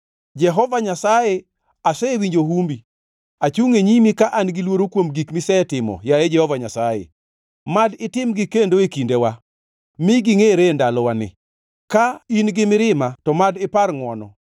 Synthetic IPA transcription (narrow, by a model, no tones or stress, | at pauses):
d͡ʒɛɦɔvaɲasaje | asɛwiɲd͡ʒoɦumbi | at͡ʃuŋeɲimikaʔanɡɪlwoɾokwomɡikmɪsɛtɪmɔ̰jaed͡ʒɛhɔvaɲasajḛ | madɪtɪmɡɪkendoekindewa | mɪɡɪŋeɾendalɔwanɪ̰ | kainɡɪmɪɾɪmatɔmadɪparŋwɔnɔ̰